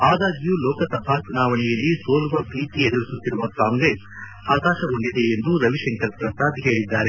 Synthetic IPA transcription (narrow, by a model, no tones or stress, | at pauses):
aːd̪aːɡijuːlɔːkɐt̪ɐbʱat͡ʃunaːʋɐnɛjɐlːisoːluʋɐbiːʈied̪ɐɾisut̪ːiɾuʋɐkaːŋɡɾes | aːkaːʃɐuɳɖid̪e̞end̪uɾɐʋiʃɛŋkɐɾpɾɐst̪aːd̪iɦe̞ːɭid̪ːaːɾe̞